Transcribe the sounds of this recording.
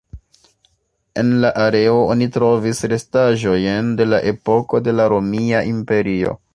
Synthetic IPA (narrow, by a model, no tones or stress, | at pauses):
e̞̰nlaʔaɾe̞oonitɾo̞visɾe̞staʒo̞jnde̞laʔe̞po̞ko̞de̞laɾo̞miaʔimpe̞ɾio̞̰